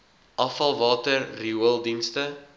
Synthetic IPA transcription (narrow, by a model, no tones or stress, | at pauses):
ʔɐfɐlˠvɑːtərːiuəlˠdinstə